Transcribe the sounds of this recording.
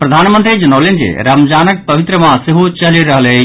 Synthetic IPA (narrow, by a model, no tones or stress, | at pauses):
pɾəd̪ʱaːnmənt̪ɾid͡ʒənawlend͡ʒḛɾamd͡ʒanək̚pəʋit̪ɾəmãseɦot͡ʃəliɾəɦəle